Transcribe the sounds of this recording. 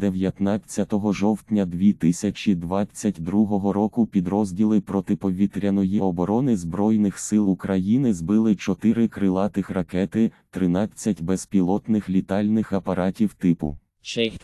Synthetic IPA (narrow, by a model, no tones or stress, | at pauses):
d̪̥eʋjɐt̪nɑt͡sʲːɐt̪ɔɦɔʒɔwt̪ʲnʲɐd̪ʋʲit̪ɪsʲɐt͡ʃʲid̪ʋɑt͡sʲːɐtʲd̪ɾuɦɔɦɔɾɔkʊpʲid̪ɾɔzʲdʲilˠɪpɾɔt̪ɪpɔʋʲit̪ɾʲɐnɔjiɔbɔɾɔnɪzbɾɔjnɪxsɪlˠukɾɐjinɪzbɪlˠɪt͡ʃɔt̪ɪɾɪkɾɪlˠɑt̪ɪxrɐkɛt̪ɪt̪ɾɪnɑt͡sʲːɐtʲbɛspʲilˠɔt̪nɪxlʲit̪ɑlʲnɪxɐpɐɾɑtʲiwt̪ɪpʊ̰ | t͡ʃɛ